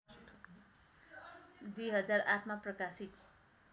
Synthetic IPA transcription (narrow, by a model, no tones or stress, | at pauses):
d̪ujɦʌd͡zarʔaʈʰmaprʌkasit̪